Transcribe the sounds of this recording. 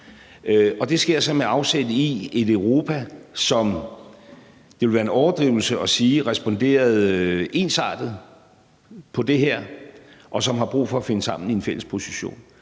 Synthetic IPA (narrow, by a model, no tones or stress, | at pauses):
ɒ̽d̥e̝sɡ̥e̝ɐ̰sɒ̽meɑ̈ʊsed̥əie̝døʊʁo̝ːpʰæsɒ̽m | d̥eʋe̝lʋæːɐe̝nɒʊɐd̥ʁiːʊl̩səɒ̽siːʁɛsb̥ɒ̽nd̥e̝̰ːɐð̩ˠe̝ːnsɑ̰̈ːd̥ð̩ˠ | pʰɒ̽d̥e̝ɦæɐ̰ʔɒ̽sɒ̽mɦɑ̈b̥ʁṵːfɒ̽æfe̝nəsɑ̈m̰n̩ie̝nfel̰əspʰo̝si̥ɕo̝̰ːn